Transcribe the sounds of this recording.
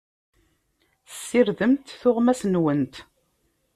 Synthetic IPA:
θsːiɾðəmt̪θʊʁmæsənwənt̪

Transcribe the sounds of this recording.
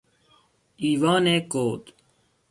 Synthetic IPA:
iːwaːneːkoːt̪

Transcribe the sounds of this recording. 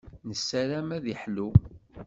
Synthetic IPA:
nəsːæɾæmæðiħlu

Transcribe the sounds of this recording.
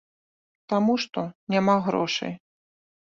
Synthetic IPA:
t̪amuʂt̪ɔnʲamaɣɾɔ̰ʂɨ̰j

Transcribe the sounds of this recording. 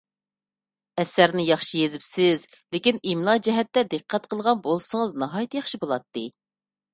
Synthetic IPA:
ɛsæɾnɪjɑχʃijezɪpsɪz | lekʲinimlˠɑd͡ʒɛɦɛt̪ːɛd̪ɨqʰːæt̪̚qʰəlˠʁɑnbolˠsəŋəznɑɦɑːjit̪jɑχʃibolˠɑt̪ːɨ

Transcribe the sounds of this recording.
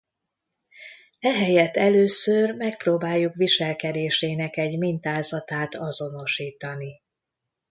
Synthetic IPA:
ɛɦɛjɛt̪ːɛløːsørmɛk̚proːbaːjːukʋiʃɛlkɛd̪eːʃeːnɛkɛɟmint̪aːzɒt̪aːt̪ɒzo̞no̞ʃiːt̪ɒni

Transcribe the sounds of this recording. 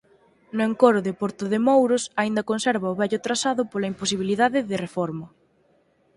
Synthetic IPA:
nʊeŋkoɾʊðɪpoɾt̪ʊðemowɾʊsaind̪ɐkonsɛɾβɐʊβɛʎʊt̪ɾasaðʊpolaimpos̬iβ̞iliðaðɪðɪrefɔɾmʊ

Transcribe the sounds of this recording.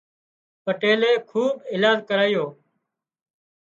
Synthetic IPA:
pəʈeːleːkʰuːbɪːlaːd͡ʒkəɾaːijoː

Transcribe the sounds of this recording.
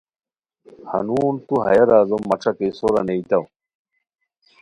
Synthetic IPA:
hɐ̰nuːnt̪uɦɐ̰jɐɾaːzomːɐʈ͡ʂʰɐkejsoɾɐ̰neit̪ɐw

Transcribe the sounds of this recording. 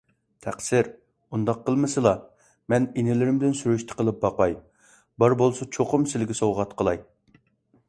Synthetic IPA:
t̪ʰæqsɪɾ | und̪ɑqʰːəlˠmɨsɨlˠɑ | mɛninɪlɪɾɪmd̪ɪnsyɾyʃt̪ʰɪ̥qʰəlˠɨp̚bɑqɑj | bɑɾbolˠsɑt͡ʃʰoqʊmsɪlɪɡʲɪsowʁɑt̪qʰəlˠɑj

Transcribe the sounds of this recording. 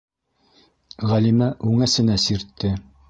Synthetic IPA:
ʁælimæʔʉŋæsɘ̆næsiɾt̪ːɘ

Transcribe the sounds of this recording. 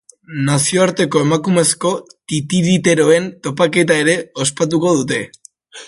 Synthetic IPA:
nasio̞aɾt̪e̞ko̞e̞makume̞sko̞t̪it̪iðit̪e̞ɾo̞e̞nt̪o̞pake̞t̪ae̞ɾe̞o̞spat̪̬uko̞ð̞ut̪e̞

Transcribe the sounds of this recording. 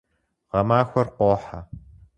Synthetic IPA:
ʁɐmaːxʷɐrqʷoːħa

